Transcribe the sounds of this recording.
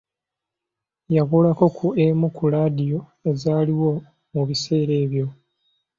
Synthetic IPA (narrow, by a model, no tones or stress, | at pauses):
jaβulako̞kʰuemukulaːdijo̞e̞zaːliwo̞ | muβise̞ːɾe̞ːβjo̞